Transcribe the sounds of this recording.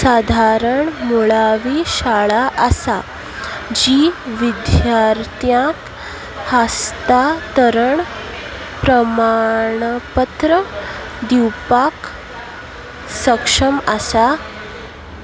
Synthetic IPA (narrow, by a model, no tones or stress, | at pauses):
sad̪ʱaɾəɳmuɭaʋiːɕaɭaʔəsa | d͡ʑiʋid̪jjaɾt̪jãk̪ | hast̪at̪əɾəɳ | pɾəmaɳpət̪ɾə | d̪iwpak | səkʂəmasa